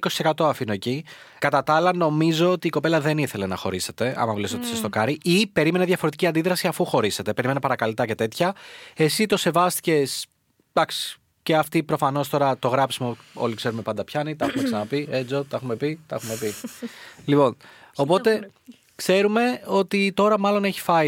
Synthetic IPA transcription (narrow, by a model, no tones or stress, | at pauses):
ko̞sise̞kɐt̪o̞ɐfinoeci | kɐt̪ɐt̪ɐɐlɐno̞mizo̞ot̪iːko̞pe̞lɐðe̞niθe̞le̞nɐ̰xo̞ɾise̞t̪e̞ɐ̰mɐmuleso̞t̪i̥sest̪o̞kɐɾiʔipe̞ɾime̞neðʝɐfoɾet̪iciɐnd̪iðɾɐsiɐfuxo̞ɾise̞t̪e̞peɾimenɐpɐɾɐkɐlit̪ɐce̞t̪e̞t̪çɐe̞sit̪o̞se̞vɐst̪i̥ce̞s | d̪̥ɐksi̥ | ce̞ɐft̪ipɾo̞fɐno̞st̪o̞ɾɐt̪o̞ɣɾɐpsimuo̞̰likse̞ɾume̞pɐnd̪ɐpçɐnit̪ɐɐxumeksɐnɐpied͡zot̪ɐɐxume̞pit̪ɐɐxume̞pi | lipo̞n | o̞po̞t̪e̞ | kse̞ɾume̞o̞t̪it̪o̞ɾɐmɐlo̞ne̞çi̥fɐ